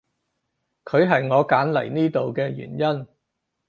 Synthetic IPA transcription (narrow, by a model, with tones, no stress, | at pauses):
kʰɵ˨˧ɥɦɐ˨jŋɔː˨˧kaː˨˥nlɐ˨˩jniː˥t̪o˨wkɛː˧jy̰ː˨˩njɐ˥n